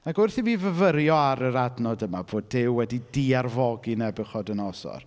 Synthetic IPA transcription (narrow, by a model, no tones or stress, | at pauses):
aɡʊrθiviːvəvəɾjɔaɾəɾadnɔdəmaboːdːɪwwɛdidiarvɔɡinɛbɨχɔdənɔsɔ̰r